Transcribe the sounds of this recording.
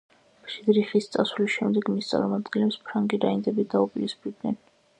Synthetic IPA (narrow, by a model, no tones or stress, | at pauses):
mʃid̪ɾiχist̪sʼa̰sulisʃɛmd̪ɛɡmist̪sʼa̰ɾmɔmad̪ɡɛnlɛpspʰɾaŋɡiɾainzɛbid̪aupʼiɾispid̪nɛn